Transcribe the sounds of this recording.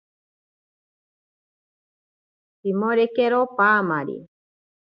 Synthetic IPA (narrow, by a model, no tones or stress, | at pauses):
pimoɾekeɾopamaɾḭ